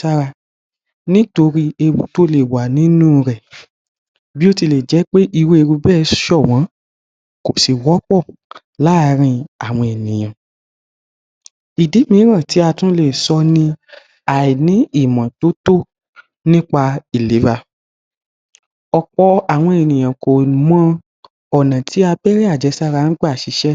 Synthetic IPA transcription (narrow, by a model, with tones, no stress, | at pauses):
a˦ɾa˧ | nĩ˦to˧ɾi˧e˧wu˨to˦le˦˨wa˨nĩ˨˦nũ˦˧ɾɛ˨ | bi˦o˦ti˧˨le˨d͡ʒɛ˨˦k͡pe˦ʔi˧wu˦e˧ɾu˧bɛː˦˨˧ʃɔ˦˨w̃ã˨˦ | ko˨si˨wɔ˨˦k͡pɔ˦˨ | la˦˧ɾ̃ĩ˧a˨w̃ɔ̃˧ɛ˨nĩ˨j̃ã˨ | i˨di˨˦mĩ˧˨˦ɾ̃ã˦˨ti˨˦a˧tũ˦le˦˨sɔ˧nĩ˧ | a˨i˨nĩ˨˦i˦˨mã˨to˨˦to˦˨ | nĩ˦k͡pa˧i˨le˨˦va˧ | ɔ˨k͡pɔ˧a˨w̃ɔ̃˧e˨nĩ˨j̃ã˨kõ˨mã˦ | ɔ˨nã˨tʰi˨˦a˧bɛ˦ɾɛ˦a˦˨d͡ʒɛ˨˧˦sa˦ɾa˧˦n̩˦ɡ͡ba˦˨ʃi˨˧˦ʃɛ˦